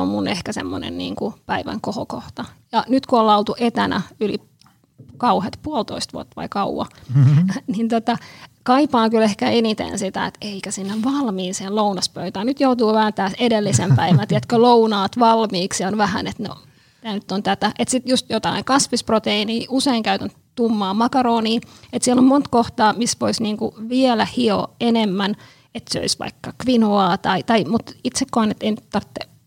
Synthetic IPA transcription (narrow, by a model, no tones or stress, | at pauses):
o̰mmunehkæsḛmːo̰nḛnnḭːŋkupæiʋæ̰ŋkohokoht̪ɑjɑnyt̪kuolɑlt̪uʔet̪ænæ̰yli | kɑuhet̪puolt̪o̰ist̪ʋṵot̪ːɑʋɑ̰ikɑuwɑ̰ | nint̪ot̪ɑkɑipɑːŋkylehkæenit̪ḛnsit̪æ̰ḛt̪eikæsinːeʋʋɑlmiːnseːllounɑspøyt̪æːnnyt̪jout̪uːʋæhænt̪æːsedelːisempæiʋænt̪iet̪kølounɑːt̪ʋɑlmiːksionʋæhæ̰net̪no̰ | t̪æːnyt̪ːont̪æt̪æʔet̪sit̪just̪jot̪ɑ̰iŋkɑsʋisprot̪einiːuseiŋkæyt̪æn | t̪umːɑːmɑkɑroːniːet̪sielommont̪koht̪ɑːmisʋoisniːŋkṵʋielæhio̰enemːæn | et̪so̰isʋɑ̰ikːɑkʋinoɑːt̪ɑit̪ɑimut̪it̪sekːoɑnet̪ːeinyt̪t̪ɑrt̪ːe